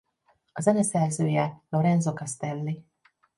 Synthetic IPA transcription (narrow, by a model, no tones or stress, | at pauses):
ɒzɛnɛsɛrzøːjɛlo̞ɾɛnzokɑst̪ɛlːi